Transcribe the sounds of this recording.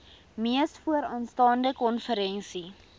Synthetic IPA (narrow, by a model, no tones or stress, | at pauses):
miəstfuəɾɑːnstɑːndəkɔnfəɾɛnsi